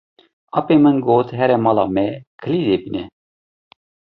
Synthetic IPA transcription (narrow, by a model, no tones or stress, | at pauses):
ɑpemɨnɡoːt̪ɦɛɾɛmɑlɑːmɛkʰɨlid̪ebinɛ